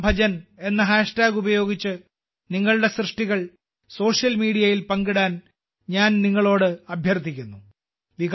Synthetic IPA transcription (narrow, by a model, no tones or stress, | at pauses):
bʱɐd͡ʑɐne̞nːɐɦaːʂʈaːɡubɐjo̞ːɡit͡ɕːɨ | niŋːɐɭɨɽe̞srɨʂʈiɣɐɭ | so̞ːʂjɐlmiːɽijɐjilpɐŋɡiɽaːn | ɲaːnniŋːɐɭo̞ːɽɨɐbʱjɐrt̪ʰikʲːunːu | ʋiɡ